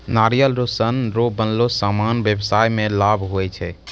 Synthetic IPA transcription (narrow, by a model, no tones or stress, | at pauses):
naɾijəlɾosənɾobənlosamanbjəbsajmelabʱɦoɛt͡ʃʰɛ